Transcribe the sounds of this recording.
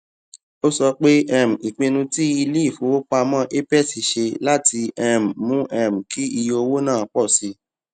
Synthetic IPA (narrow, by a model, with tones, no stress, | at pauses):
o˦sɔ˧k͡pe˦ɛ˦˨m̩˨i˨k͡pẽ˧nũ˧ti˦i˧le˦i˦˨fo˨˦wo˦k͡pa˧mã˦ʔe˦pɛ˦˨si˨ʃe˧la˦ti˧ɛ˧˨m̩˨mũ˦ʔɛ˦˨m̩˨ki˦i˧jo˧o˧wo˦nãː˦˨k͡pɔ˦˨si˧˦